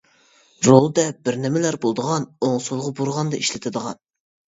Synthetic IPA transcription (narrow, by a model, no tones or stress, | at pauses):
ɾolˠd̪ɛbɪɾnɪmɪlæɾbolˠd̪əʁɑnoŋsolˠʁɑboɾʁɑnd̪ɑiʃlɪt̪ʰɪd̪əʁɑ̰n